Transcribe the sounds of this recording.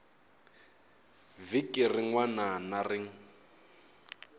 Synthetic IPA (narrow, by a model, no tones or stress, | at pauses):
vikʼirɪŋwananarɪŋ̩